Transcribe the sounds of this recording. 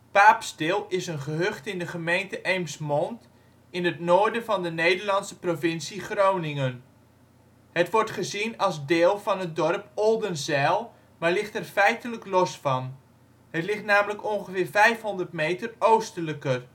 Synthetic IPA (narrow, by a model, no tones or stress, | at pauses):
paːpstɪlˠɪsənχəɦøχtɪndəχəmejntəʔejmsmɔnt | ɪnətnoːɹdənvɑndənejdərlɑnsəprovɪnsiχrownɪŋən | hətʋɔɹtχəzinɑlˠzdeːlˠvɑnɦət̚dɔrpɔlˠdənzɛlˠ | maːlɪχtɛrfɛjtələklɔsfɑn | hətlɪχtnaːmələkɔnχəvɪːrvɛjfɦɔndərtmejtərowstələkər